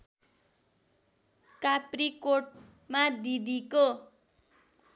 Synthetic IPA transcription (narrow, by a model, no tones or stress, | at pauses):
kaprikoʈ | mad̪id̪iko